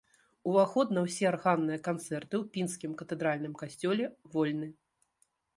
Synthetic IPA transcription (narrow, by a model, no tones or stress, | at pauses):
uvaxɔd̪nɐwsʲɛarɣanːɨjɐkant̪sɛrt̪ɨwpʲinskʲimkɐt̪ɛd̪ɾalʲnɨmkasʲt͡sʲɔlʲɛvɔlʲnɨ